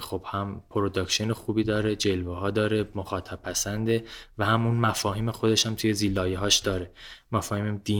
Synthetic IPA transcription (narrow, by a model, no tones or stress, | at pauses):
xo̞b̥hæmpʰoɾod̪ɒkʃionexuːbiːd̪ɒːɾed͡ʒe̞lvehɒːd̪ɒːɾe̞moxɒːt̪ʰæb̚pʰːæsænd̪evæhæmunmæfɒːhiːmexo̞d̪e̞ʃhæmt̪ʰuːje̞ziːlːɒːjeɦɒːʃd̪̥ɒːɾe̞mæfɒːhiːmæd̪̥i